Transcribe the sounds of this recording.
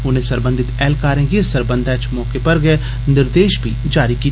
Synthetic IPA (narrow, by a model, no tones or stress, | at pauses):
ʊn̤ɦẽsɐɾbə̃nd̪ʱɪt̪ɛːlkaːɾẽɡesəɾbə̃nd̪ʱɛːt͡ʃmɔːkepɐɾɡɛː | nɪɾd̪eːʃbʱid͡ʒaːɾikiː